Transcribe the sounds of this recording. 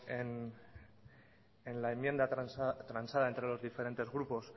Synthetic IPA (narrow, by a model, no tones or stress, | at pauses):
en | enlaemːje̞nd̪aɾanst̪ɾansaðae̞nt̪ɾe̞lo̞zðife̞ɾe̞nt̪e̞zɣɾupo̞s